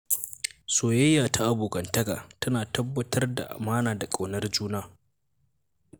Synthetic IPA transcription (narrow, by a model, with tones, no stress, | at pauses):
soː˨jɐ˦jːaː˨tʰa˦ʔa˨buː˨kɐ˨ntɐ˦ɡa̰ː˨tɐ˦naː˨tɐ˦bːɐ˦tʰɐ˦rda̰˨ʔa̰˨maː˦naː˨da˨kʼa˨wnɐ˦rd͡ʒuː˦naː˦